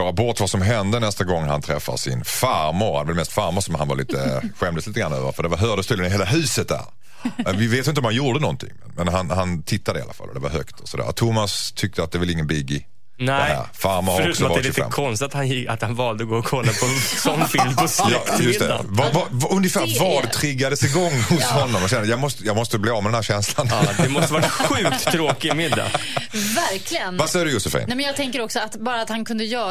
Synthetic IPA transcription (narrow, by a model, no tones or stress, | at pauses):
ɑːɾabɔt̪vasɔmɦɛnd̪ənɛst̪aɡɔŋːhant̪ʰɾɛfːa̰sɪ̰nfaɾmʊɾhanɛvɛlmɛst̪faɾmʊsɔmhanvaɾɭḭːt̪əɧɛmd̪əsliːt̪əɡɾanːøːvə̰ɾfœɖɛvaɾɦœːɖəst̪ʉːlənɪɦeːlaɦʉ̟ːsət̪̚d̪æ̰ɾ | vɪveːt̪jɪnt̪ɔmhanjuːɖənɔnt̪ʰɪ̰ŋmɛnmɛnɦanhant̪ʰɪt̪ʰːad̪əɪa̰lːa̰fa̰lːɔ̰d̪ɛva̰ɾɦœkt̪ʰɔsɔd̪æ̰ːɾt̪ʰʊmːast̪ʰʏk̚t̪əat̪d̪ɛvɛlɪŋːənbɪɡɪ | d̪ɛhæ̰ɾfaɾmaɾɔʉːksɔavdɛlːfɛ̰mːkʰɔnst̪ɪt̪at̪hanjɪat̪hanvɑːld̪əɡoːɔkʰɔlːapʰɔsɔnːfɪlmpʰɔsjɑt̪jɵmd̪ɛːa̰vavaɵnjəfæːɾvaɖɛt̪ʰɾɪɡːad̪əsɪɡɔŋːhʊshɔnːɔmɔɕɛnd̪əjɑːɡmɔst̪əjɑːɡmɔst̪əbliːɑːvmɛd̪ɛnh̪æːɾɕɛnsland̪ɛmɔstəvaɾaɧʉ̟ːk̚t̪ʰːɾoːkɪɪmɪd̪ːa̰væɾkʰlɪɡənvasɛjəd̪ɵjʊsɛfɪ̰nɛmɛnjɑɡt̪ʰɛŋkəɾɔksɔat̪bɑːɾaat̪hankʰɵnd̪əjœː